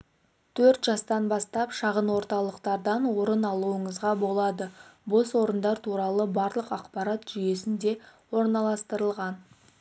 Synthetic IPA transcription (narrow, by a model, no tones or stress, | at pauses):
t̪ʰɵɾt̪ʒɑst̪ɑnbɑst̪ɑpʃɑʁənwo̞ɾt̪ɑlˠəqt̪ɑɾd̪ɑnwo̞ɾənɑlˠuəɴəzʁɑbo̞lˠɑd̪əbo̞swo̞ɾənd̪ɑɾt̪ʰuɾɑlˠəbɑɾlˠəqɑqpɑɾɑt̪ʒ̥ʏje̞sɪnd̪e̞wo̞ɾnɑlˠɑst̪əɾəlˠʁɑn